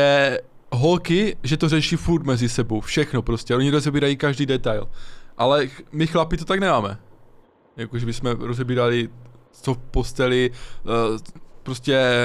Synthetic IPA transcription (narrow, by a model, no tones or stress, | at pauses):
ɛ | ɦo̞lkɪʒɛt̪orɛʃifuɾt̪mɛzɪsɛbo̞wfʃɛxno̞pɾo̞scʲɛʔo̞ɲiɾozɛbiːɾajikaʒdiːdɛt̪ajlʔalɛmɪxlapɪt̪ot̪aɡnɛmaːmɛ̰ | jakoʒɛbɪsmɛɾo̞zɛbiːɾalɪ | t͡sofpo̞st̪ɛlɪ | pɾo̞scɛ